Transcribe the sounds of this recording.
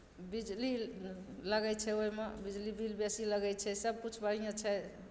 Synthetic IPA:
bid͡ʒli | ləɡɛt͡ʃʰɛoɦimebid͡ʒlibilbesiləɡɛt͡ʃʰɛsəb̚kut͡ʃʰbəɽijãt͡ʃʰɛ

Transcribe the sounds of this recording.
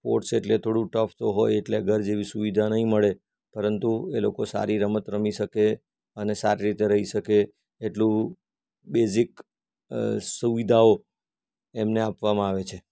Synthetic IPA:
po̰ʈseʈlet̪ʰoɽũʈəft̪oɦojeʈleəɡʱəɾd͡ʒeʋisuʋid̪ʱanəɦĩməɭe | pəɾənt̪uelokosa̰ɾiɾəmət̪ɾəmiʃəke | ənesaɾiɾit̪eɾəɦiʃəkeː | ʈlũ | bezik | suʋid̪ʱao | emneapʋamãaʋet͡ʃʰe

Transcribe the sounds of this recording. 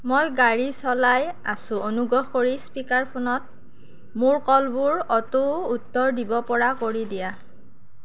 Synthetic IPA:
mojɡaɹisɔlaja̰sʊonuɡɹɔɦkoɹispikaɹpʰʊnɔt̚ | mʊɹkɔlbʊɹɔtuːtːɔɹdibɔpɔɹakoɹidija

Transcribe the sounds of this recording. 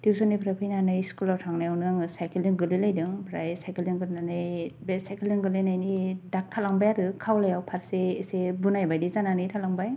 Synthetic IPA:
diwsɔnijpʰɾapʰɯjnanɯjskulawtʰaŋnajawnɯŋsajkiliŋɡɯlilajdɯŋpʰɾajsajkiliŋɡɯlnanɯjbesajkiliŋɡɯlejnajnidak̚tʰalaŋbajaɾɯkʰawlajawpʰaɾseesebunajbajdizananɯjtʰalaŋbaj

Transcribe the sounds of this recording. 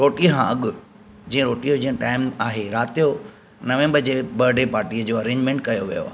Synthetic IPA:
ɾoːʈiəkʰãɐɠʊ | d͡ʑĩːə̃ɾoːʈijod͡ʑĩːə̃ʈaːɪmaːɦeɾaːt̪ijo | nɐʋẽːmbəd͡ʑebɐɾɖepaːɾʈiəd͡ʑoːɐɾẽːɲd͡ʑmẽːɳʈkɐjoʋijo̰a̰ːɦe

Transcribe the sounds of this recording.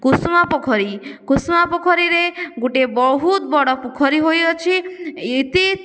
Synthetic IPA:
kusmapɔkʰɔɾikusmapɔkʰɔɾiɾeɡuʈebɔɦut̪̚bɔɽɔpukʰɔɾiɦojɔt͡ʃʰiit̪i

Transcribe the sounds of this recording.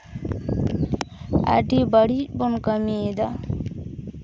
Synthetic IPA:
a̰ʈibəɽibonkəmid̪a

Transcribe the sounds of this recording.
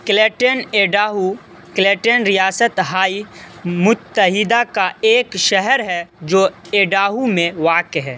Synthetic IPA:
kleːʈəneːɖaːɦu | kleːʈənɾɪjaːsət̪ɦaːimʊt̪ːəɦɪd̪akaeːkʃɛɦɛɾɦɛd͡ʒoːeːɖaːɦumẽʋaːkeɦɛː

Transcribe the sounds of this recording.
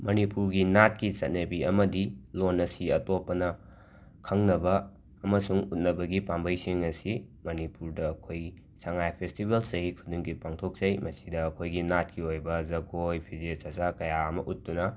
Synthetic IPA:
mɐnipuɾɡinat̚kit͡ʃɐt̚nɐbiɐmɐdilonɐsiɐtopːɐnɐ | kʰɐŋnɐbɐː | mɐsuŋut̚nɐbɐɡipambɐjsiŋɐsimɐnipuɾdɐːkʰoj | saŋajpʰestibelsɐɦikʰuduŋɡipaŋtʰok̚zɐjmɐsidɐːkʰojɡinat̚kiojbɐzɐɡojpʰizesɐsakɐjaɐmɐʔut̚ːdunɐ

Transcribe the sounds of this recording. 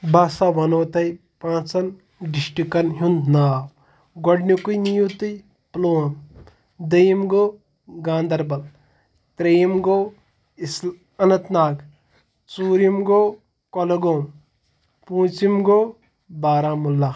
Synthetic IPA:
baːsaʋɐnoːt̪ɐj | pãːt͡sɐn | ɖisʈikɐnɦund̪naːw | ɡoɖnikujnijut̪ɨj | ploːɐm | d̪ɐjimɡoː | ɡãːnd̪ɐɾbɐl | t̪ɾejimɡoː | is | ɐnɐt̪naːɡ | suːɾimɡoː | kolɐɡoːm | pũːt͡ʃimɡoː | baːɾãːmulːɐ

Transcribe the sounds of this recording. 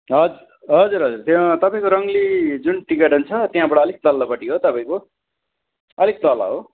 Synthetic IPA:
ɦʌd͡zur | ɦʌd͡zuɾɦʌd͡zurt̪t̪ʌpãĩkoɾʌŋlid͡zunʈikeʈɦunt͡sʰʌt̪jɦãbaɽaʌlek̚d̪ʌlːʌpʌʈiɦot̪ʌpãĩko | ʌlek̚d̪ʌla̰ɦo

